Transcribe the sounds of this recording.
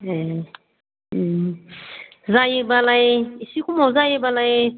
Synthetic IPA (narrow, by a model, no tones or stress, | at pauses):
ɦe | zajebalajisikumowzajebalaj